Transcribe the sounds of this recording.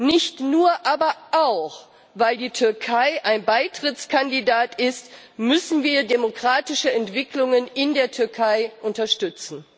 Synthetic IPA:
nɪçtnuːɐʔaːbɐʔaʊx | vaɪldiːtʰʏɐkʰaɪʔaɪnbaɪtʁ̥ɪt͡skʰandidaːtɪst | mʏsn̩viːɐdemokʁ̥aːtɪʃəɛntv̥ɪklʊŋənɪndeːɐtʰʏɐkʰaɪʔʊntɐʃtʏt͡sn̩

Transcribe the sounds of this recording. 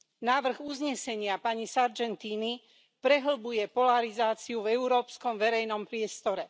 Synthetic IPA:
naːʋr̩ɣuzɲɛsɛɲɪapaɲisaɾd͡ʒɛnt̪iːni | pɾɛɦl̩bujɛpɔlaɾizaːt͡siuvɛuɾɔːpskɔmʋɛɾɛjnɔmpɾɪɛst̪ɔɾɛ

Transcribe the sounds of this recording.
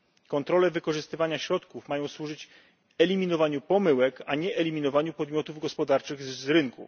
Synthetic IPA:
kɔnt̪ɾɔlɛvɘkɔʐɘst̪ɘvaɲaɕɾɔt̪kufmajɔ̃w̃swuʐɘt͡ɕ | ɛlʲimʲinɔvaɲupɔmɘwɛkaɲɛʔɛlʲimʲinɔvaɲupɔd̪mʲjɔt̪uvɡɔspɔd̪aɾt͡ʂɘɣzzɾɘŋkṵ

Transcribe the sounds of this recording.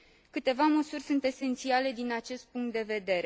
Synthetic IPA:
kɨt̪e̞vaməsurʲsunt̪e̞se̞nt̪siale̞d̪inat͡ʃe̞st̪̚puŋk̚t̪d̪e̞ve̞d̪e̞ɾe

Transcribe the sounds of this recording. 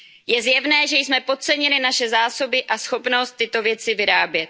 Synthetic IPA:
jɛzjɛvnɛːʒɛjsmɛpo̞t̪̚t͡sɛɲɪlɪnaʃɛzaːso̞bɪʔasxo̞pno̞st̪ːɪt̪o̞vjɛt͡sɪvɪɾaːbjɛt̪̚

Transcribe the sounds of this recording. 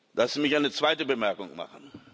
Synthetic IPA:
lʔasz̥imɪçʔaɪnət͡sv̥aɪtəbəmɛɐkʊŋma̰χn̩

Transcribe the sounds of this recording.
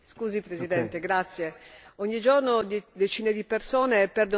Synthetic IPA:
skuːzipɾezid̪ɛnt̪eɡɾat̪sːjeoɲːid͡ʒornod̪d̪et͡ʃiːned̪ipersoːnepɛrd̪o

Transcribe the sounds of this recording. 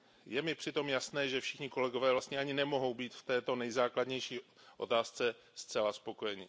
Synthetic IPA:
jɛmɪpr̥ɪt̪o̞mjasnɛːʒɛfʃɪxɲɪko̞lɛɡo̞vɛːvlast̪ɲɛaɲɪnɛmo̞ɦo̞wbiːt̪ft̪ɛːt̪o̞nɛjzaːkladɲɛjʃiː | ʔo̞̰t̪aːst͡sɛ | st̪t͡sɛlaspo̞ko̞jɛɲɪ

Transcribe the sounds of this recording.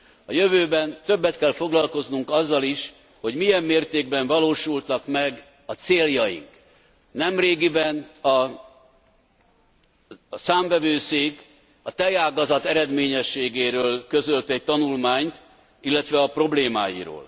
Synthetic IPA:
ɒjøvøːbɛnt̪ø̞bːɛt̪kɛlfo̞ɡlɒlko̞znuŋkɒzːɒliʃ | ho̞ɟmijɛmːeːrt̪eːɡ̚bɛɱvɒloːʃult̪ɒkmɛɡ | ɒt̪seːljɒjḭŋk | nɛmreːɡibɛnɒ | saːɱvɛvøːseːk | ɒt̪ɛjaːɡɒzɒt̪ɛɾɛd̪meːɲɛʃːeːɡeːɾøːlkø̞zølt̪ɛɟ̚t̪ɒnulmaːɲt̪ | ilːɛt̪ʋɛɒpro̞bleːma̰ːjḭɾo̰ːl

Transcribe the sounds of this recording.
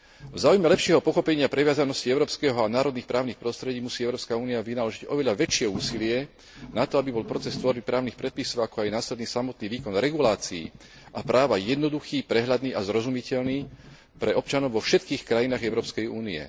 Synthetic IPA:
vzaːujmɛlɛpʃɪɛɦɔpɔxɔpɛɲɪapɾɛʋɪazanɔsciɛʊɾɔːpskɛɦɔanaːɾɔd̪nixpɾʔaːʊnixpɾɔst̪ɾɛɟiːmusiːɛʊɾɔːpskauːniaʋinalɔʒiɟɔ̰ʋɛʎaʋɛt͡ʃɪɛuːsilɪɛ | nat̪ɔabibɔlpɾɔt͡sɛst̪ʋɔɾbipɾaːʊnixpɾɛt̪̚pisɔʊakɔajnaːslɛd̪niːsamɔt̪niːʋiːkɔnɾɛɡulaːt͡sḭː | ʔapɾaːʋajɛd̪nɔd̪uxiːpɾɛɦʎad̪niːʔazɾɔzumicɛʎniː | pɾɛɔpt͡ʃanɔʊʋɔfʃɛt̪kiːxkɾajinaːɣɛʊɾɔːpskɛjuːniɛ̰

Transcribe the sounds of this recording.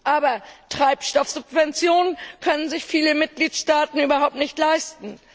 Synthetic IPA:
ʔaːbɐtʁ̥aɪpʃtɔfz̥ʊp̚vɛnt͡sjoːnənkʰœnənzɪçfiːləmɪt̚ɡ̥liːtʃtaːtn̩yːbɐɦaʊp̚tnɪçtlaɪstn̩

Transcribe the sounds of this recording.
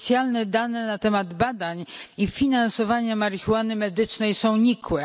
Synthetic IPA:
t̪sʲjalnɛd̪anɛnat̪ɛmad̪bad̪aɲifʲinansɔvaɲamaɾixuwanɘmɛd̪ɘt͡ʂnɛjsɔ̃w̃ɲikwɛ

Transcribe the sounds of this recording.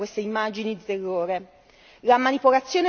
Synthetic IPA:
kwest̪eimːad͡ʒinid̪it̪erːoːɾe | lamanipolat̪sːjoːne

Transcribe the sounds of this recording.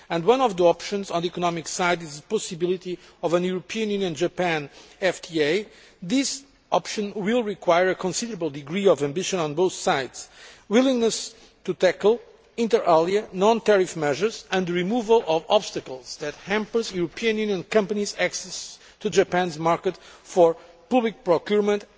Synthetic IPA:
ɨ̃ndwʌ̃nɔvðiɔpʃɨ̃nzɔ̃nd̪ðiikɔnɔmiksaɪdizðəpɔsɨbilˠit̪iɔvɨ̃njuɹopʰiɨ̃njʉnjɨ̃nd͡ʒəpæ̃nɛftʰieɪ | ðɪs | ʔɔpʃɨ̃nwilˠɹikwajəɹɨkʰɔ̃nsidə˞əblˠd̪ɨɡɹiɔvæ̃mbiʃə̃nɔ̃nboʊθsaɪdz̥wilˠĩŋnəs | t̪ut̪æklˠ | ĩntə˞ʔalˠiənɔ̃nt̪ɛɹifmɛʒə˞zɨ̃nd̪ɹimuvəlˠɔvɔb̥st̪ɨkəlˠzðɨt̪hæ̃mpə˞zjuɹopʰiɨ̃njʉnjə̃nkʌ̃mpənizæksɛs | t̪ud͡ʒəpæ̃nzmaɹkət̪fɔɹ | pʌblik̚pɹɔkjuɹmə̃nt̪

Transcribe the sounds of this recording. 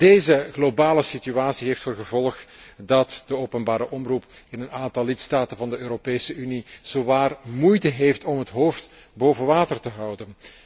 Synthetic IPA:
d̥eːzəɣlobaːləsityaːsiɦeːftfoːrɣəvɔlˠxdɑtd̥əoːwpənbaːɾəʔɔmrupɪnənaːntɑlˠːɪtstaːtənvɑndəøːɾopeːsəyniz̥oʋaːrmujtəɦeːftɔmɦətɦoːftboːvəʋaːtərtəɦɑwdən

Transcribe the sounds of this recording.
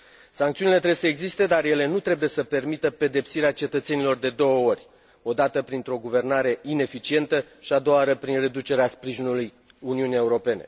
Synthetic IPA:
saŋkt̪siunilet̪ɾebesəeɡzist̪e̞d̪arje̞le̞nut̪ɾe̞buje̞səpe̞rmit̪əpe̞d̪e̞psiɾeat͡ʃe̞t̪ət̪se̞nilo̞rd̪e̞d̪o̞wəo̞rʲ | o̞d̪at̪əpɾint̪ɾo̞ɡuve̞rnaɾe̞ʔine̞fit͡ʃie̞nt̪əʃiad̪o̞aɾəpɾinre̞d̪ut͡ʃe̞ɾeaspɾiʒinuluj | uniunije̞uɾo̞pe̞ne̞̰

